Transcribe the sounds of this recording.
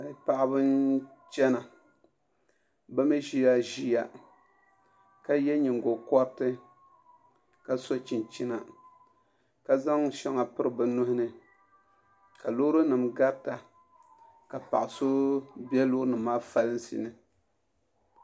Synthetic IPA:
pa˦ʔbɨ˦nt͡ʃɛ˦na˨ | ba˦mi˦ʒi˦ja˦ʒi˦ja˨ | ka˦jɛ˦ɲi˨ŋɡo˨kɔ˦ɾtɨ˦ | ka˦so˦t͡ʃi˨nt͡ʃi˦na˨ | ka˨za˦ŋ˦ʃɛ˦ŋa˨pɨ˦ɾɨ˦bɨ˨nʊ˦hʊ˦nɨ˨ | ka˨lo˦ɾɨ˦nɨ˨mɡa˦ɾta˨ | ka˨pa̰˨ʔa˨so˦bɛ˦loː˦nɨ˨maː˦fa˦lɨ˦n˦sḭ˨nɨ˨

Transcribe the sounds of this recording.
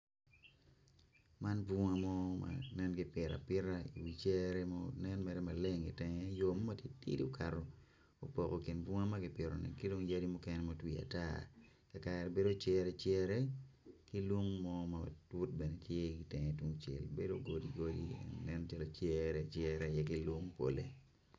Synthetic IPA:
ma˦nbu˦ŋa˦mɔ˦ma̰nɛ˦nɡɪ˨pɪ˨ɾa̰˨pɪ˦ɾa˦ḭ˨wi˨t͡ʃɛ˦ɾɛmɔnɛnmɛ˨ɾɛ˦ma˨le˦ŋi˨tɛ˨ŋɛ˦jomɔ˦ma˦tje˦tḭ˦di˦o˦kʰa˨ɾɔ˨ | o˨po˨ko˨ki˨nbwu˦ŋa˦maɡɪ˨pɪ˨ɾo̰˨nɛ̰˨ki˦do˦ŋja˦di˦mu˦kɛnɛ˦mo˨twia̰˨ta̰ | ka˨ka˨ɾɛ˨be˦do˦t͡ʃɛ˦ɾɛt͡ʃjɛ˦ɾɛ˦ki˦lwo˦ŋmɔ˦matwu˦t̚bɛ˨ne˨tje˦ki˨tɛ˨ŋɛ˨twu˦ŋt͡ʃɛ̰˨lbe˦doɡo˦di˨ɡo˦dḭ˨nnɛ˦nt͡ʃa˦lot͡ʃjɛ˦ɾɛ˦t͡ʃjɛ˦ɾɛ˨jɛ˨ki˦lwo˦ŋpo̰˨le˨

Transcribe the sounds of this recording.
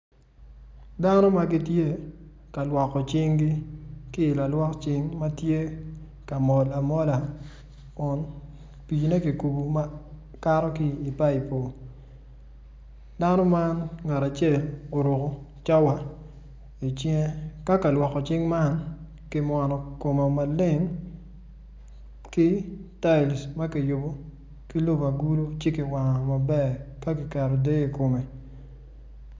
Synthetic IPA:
da˦no˦ma˨ɡɪ˦tje˦ka˨lwɔ˨kɔ˨t͡ʃɪ˦ŋɡi˦kɪ˦ɪ˨la˨lwɔ˦kt͡ʃɪ˦ŋma˦tje˦ | ka˨mɔ˨la˨mɔ˦la˨ | kɔ˨n | pi˨t͡ʃne˦ki˨ku˨bu˨ma˦ | ka˦ɾɔ˦kiː˦˨pa˦i˨po˨ | da˦nɔ˦ma˦nŋa˨ɾa˨t͡ʃɛ˦˨lo˨ɾo˨ko˨t͡ʃa˦wa˦ | i˨t͡ʃjɛ˦ka˦ka˨lwɔ˨kɔ˨t͡ʃɪ˦ŋma˦n | kɪ˦mwɔ˨nɔ˨ko˨ma˨ma˨lɪ˦˨ŋ | kɪ˦ta˦ɪ˨lsma˦kɪ˨jo˨bo˨ | ki˦lo˦ba˨ɡu˦lo˦t͡ʃe˦ki˨wa˨ŋa˨ma˨bɛ˦˨ka˦kɪ˨kɛ˨ɾɔ˨de˦˨ko˨me˨

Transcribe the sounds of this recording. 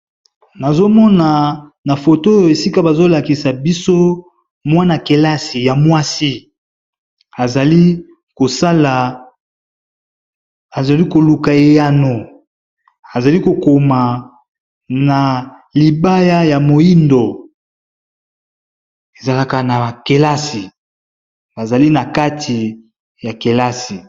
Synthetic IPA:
na˨zo˦mɔ˦na˨na˨fo˨to˦jo˨e˨si˦ka˦ba˨zo˦la˨ki˨sa˨bi˦so˦ | mwa˦na˨ke˨la˦si˨ja˨mwa˦si˦ | a˨za˨li˦ | ko˨sa˦la˨ | a˨za˨li˦ko˨lu˨ka˨e˦ja˦no˨ | a˨za˨li˦ko˨ko˨ma˨ | na˨ | li˨ba˦ja˦ja˨mo˨i˦ndo˨ | e˨za˨la˦ka˨na˨a˨ke˨la˦si˨ | ba˨za˨li˦na˨ka˦tʰi˨ | ja˨ke˨la˦si˨

